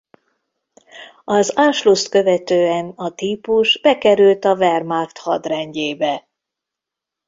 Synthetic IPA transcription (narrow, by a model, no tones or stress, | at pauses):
ɒzaːʃlust̪kø̞vɛt̪øːɛnɒt̪iːpuʒbɛkɛɾylt̪ɒvɛrmart̪hɒd̪rɛɲɟeːbɛ